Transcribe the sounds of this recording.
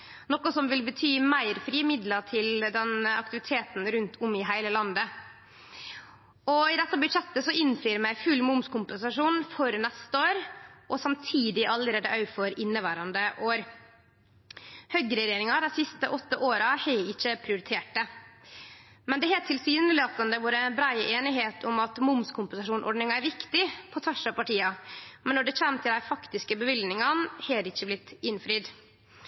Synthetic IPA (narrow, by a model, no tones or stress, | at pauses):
nɔkːɔsɔmʋɪlbət̪ʰyːmæɪɾfɾiːmɪd̪lɑʈ̪ʰɪld̪ɛnɑ̰k̚t̪ɪʋɪt̪ʰeːt̪n̩ɾʉnt̪ʰʊmɪɦæɪləlɑnd̪ə | ɔɪd̪ɛt̪ːɑbʉt̪ʂɛt̪ːəsɔɪnːfɾyːɾmæɪfʉlmʊmskʊmpɛnsɑʂuːnfɔɾnɛst̪əoːɾʔɔsɑmt̪ʰiːd̪ɪʔɑlːəɾeːd̪əʔɑʉfɔɾɪnːəʋæːɾɑnd̪əʔoːɾ | hœɡɾɛjeːɾɪŋɑd̪æɪsɪst̪əʔɔt̪ːəʔoːɾɑhɛɪɪçːəpʰɾɪʊɾɪt̪ʰeːʈ̚ːə | mɛnd̪ɛɦeːt̪̚t̪ʰːɪlsyːnəlɪoːt̪ːənd̪əʋuːɾəɛnbɾɑɪʔeːnɪɦeːt̪ʰʊmɑt̪mʊmskʰʊmpənsɑʂuːnʔɔ̰ɖnɪŋɑæɾʋɪkt̪ɪpʰɔt̪ʰɑʂɑpɑʈiːɑmɛnːɔɖɛt͡ɕæːmt̪ʰɪld̪æɪfɑkt̪ɪskəbəʋʏlnɪŋɑnhɛːɾɪçːəblɪt̪ɪnfɾyːd̪